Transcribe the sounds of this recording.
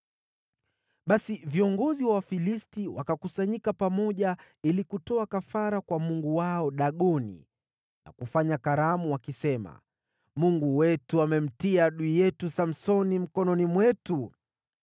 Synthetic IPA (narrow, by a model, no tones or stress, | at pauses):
ɓasiviɔŋɡɔziwafilistiwa̰kakusaɲikapamɔʄa | ilikutɔakafaɾakwamuŋɡuwaɔɗaɠɔnḭ | na̰kufaɲakaɾamuwakisɛma̰ | muŋɡuwɛtuamɛm̩tiaɗuijɛtusam̩sɔnim̩kɔnɔnimwɛtu